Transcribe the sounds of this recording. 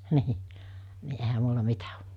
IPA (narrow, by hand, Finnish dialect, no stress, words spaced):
niː ni ehæ mulːɑ mitæ o